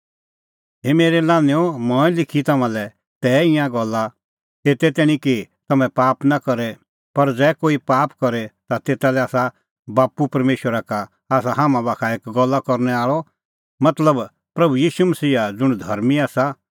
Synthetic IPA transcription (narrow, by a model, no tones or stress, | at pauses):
ɦemeːɾɛlãːneõmɔ̃ːɛ̃lɪkʰit̪ɐmãlɛ | t̪ɛːɪ̃jãɡɔlːa | eːt̪ɛt̪ɛːɽ̃ĩki | t̪ɐmɛ̃paːpnakɐɾɛ | pɐɾd͡zɛːkoːipaːpkɔɾɛt̪at̪eːt̪alɛaːsa | baːpupɐɾmeːʃwəɾaka | aːs̬aɦãːmãbaːkʰaeːkɡɔlːakɔɾnɛaːɭɔ | mɐt̪ləb | pɾɐbujiːʃumɐsiːad͡zʊɽ̃d̪ʱɐɾmiaːsa